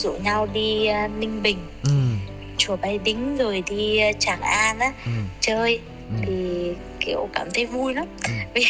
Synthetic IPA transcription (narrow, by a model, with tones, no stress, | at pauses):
zṵ˧˨ɲa˧wɗi˧nï˧ŋ̟ɓï˨˩ŋ̟ | t͡ɕu˨˧˩əɓa˧jɗï˨˦ŋ̟zo˨˩jɗi˧t͡ɕaː˧˩ŋʔaː˧naː˨˦t͡ɕəː˧j | t̪ʰi˨˩ | kḭ˧˩əwkaː˧˩mt̪ʰə˨˦jvu˧jnɔ˨˦vi˨˩